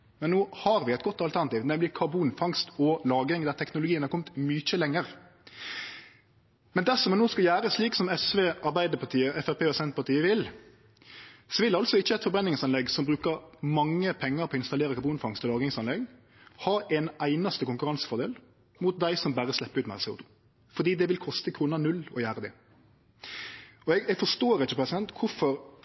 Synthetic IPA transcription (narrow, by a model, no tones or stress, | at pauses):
mɛnːoːhɑʁʋɪæɪt̪ɡɔt̪ːɑlt̪ʰæʁnɑt̪iːʋnɛməlɪkʰɑbuːnfɑŋst̪ɔlɑːɡɪŋd̪æʁt̪ʰɛknʊlʊɡiːənhɑɾkɔmːət̪myːc͡çəlɛŋːəɾ | mɛnd̪æsɔmɛnoːskɑljæːɾəsliːksɔmɛsʋeːɑʁbæɪd̪əpʰɑt̪ʰiːəɛfæpʰeːɔsɛnt̪pʰɑt̪iːəʋɪl | sɔʋɪlɑlt̪sɔɪçːəɛt̪fɔbʁɛnːɪŋsɑnlɛɡsɔmbɾʉːkəʁmɑŋːəpʰɛŋːəɾpʰɔːɪnst̪ɑleːɾəkʰɑbuːnfɑŋst̪ʰəlɑːɡɪŋsɑnɛɡ | hɑːʔɛnæɪnɑst̪əkʊŋkʉɾɑnsə̥fɔɾd̪eːl | mut̪̚d̪æɪsɔmbæːʁəslɛpːəʉːt̪mæ̰ʁseːṵːt̪ʰu̥ː | fɔɾd̪iːd̪ɛʋɪlkʰɔst̪əkʰɾuːnənʉlːɔ̰jæːʁəd̪ɛ̰ | ɔɛɡɛɡfɔʂt̪oːʁɪçːəpʰʁɛsɪd̪ɛnt̪kʰʊfɔɾ